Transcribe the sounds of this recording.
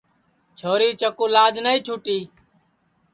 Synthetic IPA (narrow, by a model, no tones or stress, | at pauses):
t͡ʃʰoːɾiːt͡ʃəkuːlaːd͡ʒnəːĩːt͡ʃʰuːʈiː